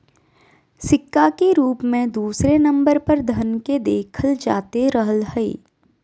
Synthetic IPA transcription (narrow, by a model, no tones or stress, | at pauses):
sɪkːakeɾuːpmẽd̪uːsɾenɐ̃mbəɾpɐɾd̪ʱɐnked̪eːkʰəld͡ʒa̰ːt̪eɾɐɦəlhɛḛː